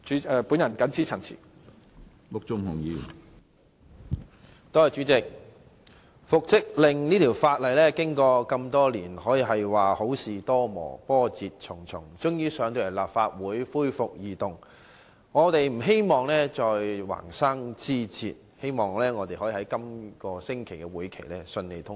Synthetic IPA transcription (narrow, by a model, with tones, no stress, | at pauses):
y˨˥ɛ˧pu˨˥njɐ˨˩nkɐ˨˥nt͡sʰiː˥t͡sʰɐ˨˩nt͡sʰḭː˨˩ | mʊ˨k̚t͡sʊ˧ŋhʊ˨˩ŋji˨˧˨ | t̪ɔː˥˨˩t͡ʃy˨˥t͡sɪ˨k̚ | fʊ˨k̚t͡sɪ˥k̚lɪ˨ŋniː˥t̪ʰi˨˩wfaː˧t̚lɐ˨˩jlɛː˥kɪ˥ŋkɔː˧kɐ˧mt̪ɔː˥liː˨˩nhɔː˨˥jiː˨˧ɦɐ˨jwaː˨ho˨˥wsiː˨t̪ɔː˥mɔ̰ː˨˩pɔː˥t͡siː˨t̚t͡sʰʊ˨˩ŋt͡sʰʊ˨˩ŋt͡sʊ˥ŋjiː˥sœː˨˥ŋt̪o˧jɐ˨˩laː˨p̚faː˧t̚wuː˨˥jfuː˥jfʊ˨k̚jiː˨t̪ʊ˨ŋ | ŋɔː˨˧t̪e˨jm̩˨˩ɦe˥jmɔː˨ŋlɛː˥t͡sɔː˧jwa̰ː˨˩ŋsaː˥ŋt͡siː˥t͡sḭː˧t̚he˥jmɔː˨ŋlɛː˥ŋɔː˨˧t̪e˨ɦɔː˨˥jiː˨hɐ˨˥jkɐ˥mkɔː˧sɪ˥ŋkʰe˨˩jkɛ˧wuː˨˥jkʰe˨˩jlɛː˥sɵ˧nle˨˩jt̪ʰʊ˥ŋ